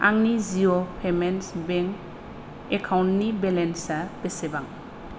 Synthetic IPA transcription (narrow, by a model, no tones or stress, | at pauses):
a̰ŋniziopʰemensbeŋ | ekʰawnnibelensab̥esebaŋ